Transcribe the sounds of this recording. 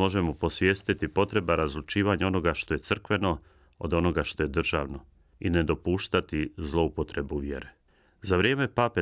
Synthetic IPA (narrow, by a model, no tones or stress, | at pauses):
o̞ʒe̞mo̞po̞sʋjeːst̪it̪ipo̞t̪ɾe̞baɾazlut͡ʃiːʋaɲao̞no̞ɡaʃt̪o̞je̞t̪sɨr̩kʋe̞no̞ | o̰d̪o̞no̞ɡaʃt̪o̞je̞d̪r̩ʒaːʋno̞ | ined̪o̞puːʃt̪at̪izlˠo̞upo̞t̪ɾe̞buʋje̞̰ɾe | zaʋɾjeːme̞pape